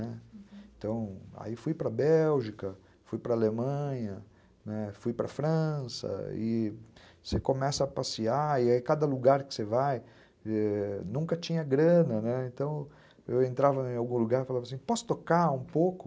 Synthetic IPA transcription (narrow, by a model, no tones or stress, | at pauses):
nɛẽnt̪ɐ̃w̃a̰ifujpɾɐbɛwʒikɐ | fujpɾɐalemɐ̃ɲɐ | nɛfujpɾɐ̰fɾɐ̃sɐ̰ɪ | sekomɛsɐːpasiaɪaikad̪ɐluɡaɾkɪ̥sevaj | ɛnũkɐt͡ʃĩɲɐɡɾɐ̃nɐnɛẽnt̪ɐ̃w̃ | ewẽnt̪ɾavɐẽawɡũluɡaɾofalavɐasĩpɔsʊ̥t̪okaũpokʊ